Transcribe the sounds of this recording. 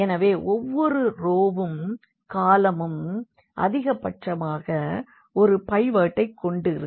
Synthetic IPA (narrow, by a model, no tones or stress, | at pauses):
ɛnɐʋeːʔɔʋːɔɾɯɾoːʋɯm | kaːlɐmɯm | ʔɐ̰ðɪɣɐpɐʈʂɐmaːɣɐ | ɔɾɯpɐɪʋaːʈːɐɪkːɔɳɖɯɾɯ